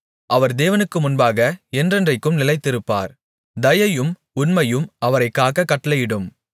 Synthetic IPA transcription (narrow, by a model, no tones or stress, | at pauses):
ʔɐʋɐɾd̪eːʋɐnɯkːɯmʊnbaːɣɐɛndrɛndrɐɪkːɯmnɪlɐɪt̪ːɪɾɯpːa̰ːɾ | d̪ɐjɐjɯm | ʊnmɐjɯmʔɐʋɐɾɐɪkːaːɣɐkːɐʈːɐlɐjɪɽɯm